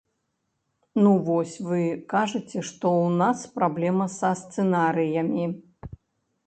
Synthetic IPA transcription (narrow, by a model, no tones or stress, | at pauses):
nuvɔsʲvɨkaʐɐt͡sʲɛʂt̪ɔwnaspɾablʲɛmɐsɐst̪sɛnaɾɨjɐmʲi